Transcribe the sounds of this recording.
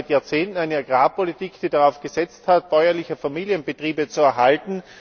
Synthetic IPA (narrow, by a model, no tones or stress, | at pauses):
ɪtjaːɐt͡seːntn̩aɪnəaɡ̥ʁaːpolitiːkd̥iːdaʁaʊfɡ̥əzɛt͡sthat̚b̥ɔʏɐlɪçəfamiːljənbətʁ̥iːbət͡suɛɐɦaltn̩